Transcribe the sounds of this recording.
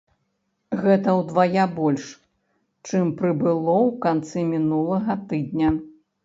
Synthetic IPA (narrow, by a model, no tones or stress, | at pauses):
ɣɛt̪ɐwd̪vajabɔlʲʂ | t͡ʂɨmpɾɨbɨlˠɔwkant̪sɨmʲinulˠɐɣɐt̪ɨd̪ʲnʲɐ